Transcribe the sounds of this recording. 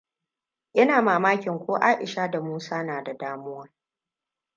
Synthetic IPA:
ʔɪ˦naː˨maː˨maː˦kʲɪ˨ŋkʷoː˦ʔaː˦ʔɪ˨ʃaː˦da˨muː˦saː˦naː˨da˨daː˦mʊ˦wa˦

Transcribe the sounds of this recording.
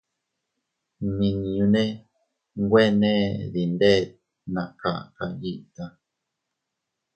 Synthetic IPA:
nĩ˨nĩ˨ũ˧˦nẽ˦ | ŋ˦ɡwe˦nẽ˦ði˨nd̪e˦˨ | nã˨ka̰˨ʔka̰˧ji˦ʔt̪a˦

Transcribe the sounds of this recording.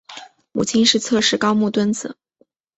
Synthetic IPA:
mu˨˩t͡ɕʰi˥nʂɻ̩˥˧t͡sʰɤ˥˧ʂɻ̩˥˩kɑ˥ʊmu˥˩t̪wə˥nd͡zɹ̩˨˩˦

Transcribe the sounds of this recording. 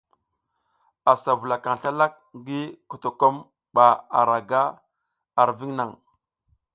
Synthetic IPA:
a˨sa˨vu˨la˨ka˨ŋ˨ɬa˦la˦k̚ɡi˦ku˨to˨ko˦m | ɓa˨a̰˨ɾa˨ɡa˦ | a˨ɾvi˦ŋna˨ŋ

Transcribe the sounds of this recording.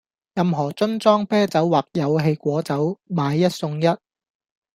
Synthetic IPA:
jɐ˨˧mɦɔː˨˩t͡sɵ˥nt͡sɔː˥ŋpɛː˥t͡sɐ˨˥wwaː˨˩k̚jɐ˨˧wɦe˧jkʷɔː˨˥t͡sɐ˨˥wmaː˨˧jːɐ˥t̚sʊ˧ŋjɐ˥t̚

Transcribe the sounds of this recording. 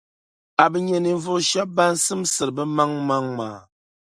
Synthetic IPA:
a˨bə˨ɲe˨ni˨ɱ˦vo˦ʃa˦ba˦n̩˦sɨ˦msɨ˨ɾbə˦ma˦ŋma˦ŋma̰˨

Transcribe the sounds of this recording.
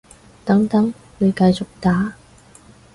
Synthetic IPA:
t̪ɐ˨˥ŋt̪ɐ˨˥ŋ | ne˨˧jkɐ˧jt͡sʊ˨k̚t̪aː˨˥

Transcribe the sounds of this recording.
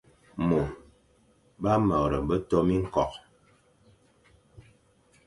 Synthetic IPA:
mo˨ | ba˦mə˨ɾə˨bə˦tɔ˦mi˦ŋ̩˦kɔ˨k̚

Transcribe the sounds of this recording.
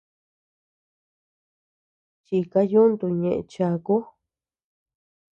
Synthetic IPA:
t͡ʃi˧ka˧ju˦nd̪u˧˨ɲẽ˨ʔḛ̃˧t͡ʃa˧ku˦

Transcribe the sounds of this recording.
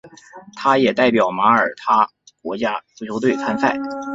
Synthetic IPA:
t̪ʰa˥jɛ˨˩t̪a˥˩ɪpjɑ˨˩ʊma˧˥ə˞˨˩t̪ʰa˥ | kwɔ˧˥t͡ɕja˥t͡sʰjo˥ʊt̪we˥˩ɪt͡sʰa˥nsʰa˥˩ɪ

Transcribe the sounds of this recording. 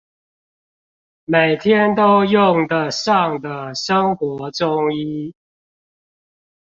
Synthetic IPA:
me˨˩ɪt̪ʰjɛ˦˥nt̪o˦ʊjʊ˥˨˩ŋd̪ə˨˩ʂɑ˥˨ŋd̪ə˩ʂə˦ŋxwɔ˨˧˦ʈ͡ʂʊ˦ŋi˦

